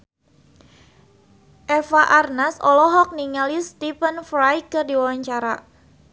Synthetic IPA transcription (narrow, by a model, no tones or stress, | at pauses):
ʔɛfaʔarnasɔ̰lɔɦɔk̚niŋalist̪ifənfɾajkɨrdiwawaɲt͡ʃaɾa